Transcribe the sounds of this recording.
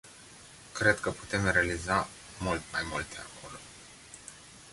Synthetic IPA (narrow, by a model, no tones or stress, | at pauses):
kɾe̞d̪kəpu̥t̪e̞mrealiza | mult̪majmult̪ea̰kʰo̞lo̞